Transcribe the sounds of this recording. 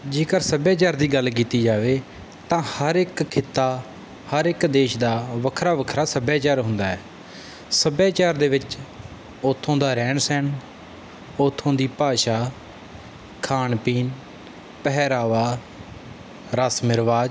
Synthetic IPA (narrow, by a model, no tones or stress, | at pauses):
d͡ʒeːkəɾsəbjaːt͡ʃaːɾd̪iːɡəlk̬iːt̪iːd͡ʒaːʋeː | t̪ãːhəɾɪkkʰɪt̪ːaː | həɾɪkd̪eːʃd̪aːʋəkʰɾaːʋəkʰɾaːsəbjaːt͡ʃaːɾɦʊ̃nd̪aːɛː | səbjaːt͡ʃaːɾd̪eːʋɪt͡ʃ | oːt̪ʰːõːd̪aːɾɛ̃ːɳsɛːn | oːt̪ʰːõːd̪iːpaːʃaː | kʰaːnpiːn | pəɦɾaːʋaː | ɾasmɪɾʋaːd͡ʒ